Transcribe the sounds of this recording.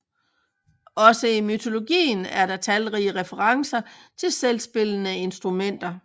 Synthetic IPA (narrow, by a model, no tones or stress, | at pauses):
ɒ̽səimyt͡sʰo̝lo̝ɡ̥ḭːnæɐɾɑ̈t͡sʰælʁiəʁɛfəʁɑ̈ŋsɐt͡sʰe̝lselsb̥e̝l̰ənəe̝nsd̥ʁumen̰d̥ɐ